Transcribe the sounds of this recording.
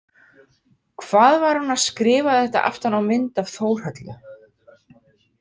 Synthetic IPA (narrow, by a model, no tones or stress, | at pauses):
kʰvaːðvaɾ̥hunaðskɾɪːvaðɛht̪a̰ʔa̰ft̪anawmɪnt̪avθoːwr̥hœt̪lʏ̰